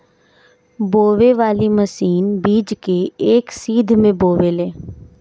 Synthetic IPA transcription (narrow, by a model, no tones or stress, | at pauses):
boːʋeʋaːliməsiːnbiːd͡ʒkeeːksiːd̪ʱmẽboːʋeleː